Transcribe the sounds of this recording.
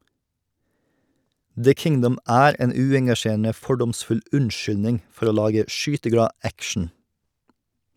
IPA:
ðə ˈkɪŋdʌm ˈʔæːɾ ˈeːn ˈʉːɛŋɡɑˌʃeːɾənə ˈfɔɖɔmˌsfʉl ˈʉɳˌʃʏlnɪŋ ˈfɔɾ ˈoː ˈlɑːɡə ˈʃyːtəˌɡɽɑː ˈækʃɳ̩

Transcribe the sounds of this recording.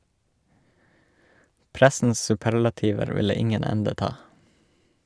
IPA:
ˈpɾæsn̩s sʉˈpæɾlɑtiːʋəɾ ˈʋɪlə ˈɪŋən ˈɛndə ˈtɑː

